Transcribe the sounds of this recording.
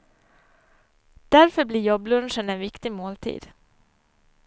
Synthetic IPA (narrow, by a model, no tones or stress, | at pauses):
d̪̥æɾfœɾbliːɾjɔblɵnʂənɛnvɪkt̪ɪmoːlt̪ʰḭːd̪̥